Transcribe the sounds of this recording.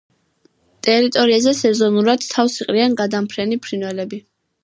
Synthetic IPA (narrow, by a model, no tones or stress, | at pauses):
t̪ʼɛɾit̪ʼɔɾiazɛsɛzɔnuɾad̪̥t̪ʰːafsiqʼɾianɡad̪ampʰɾɛnipʰɾinwɛlɛbi